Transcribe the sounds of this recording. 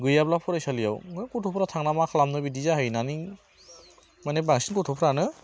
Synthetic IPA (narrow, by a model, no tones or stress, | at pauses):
ɡɯjablapʰuɾajsalijawŋɯkutʰɔpʰɾatʰaŋnamakʰalamnɯbidizaɦɯjnani | manebaŋsinkɔtʰɔpʰɾanɯ